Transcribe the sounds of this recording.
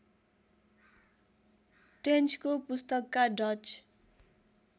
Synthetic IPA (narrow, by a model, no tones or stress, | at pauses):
ʈent͡skopust̪ʌkːaɖʌt͡ʃ